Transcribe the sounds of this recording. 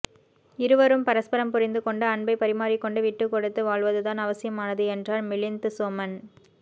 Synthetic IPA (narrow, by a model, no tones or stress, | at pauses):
ɪɾɯʋɐɾɯmpɐɾɐspɐɾɐmpʊɾɪnd̪ɯkɔɳɖɐɐɳbɐɪpːɐɾɪmaːɾɪkːɔɳɖɯʋɪʈːɯkːɔɽɯt̪ːɯʋaːɭʋɐðɯt̪aːnɐʋɐsɪjɐmaːnɐðɯɛndraːɾmɪɭɪnt̪ɯsoːmɐn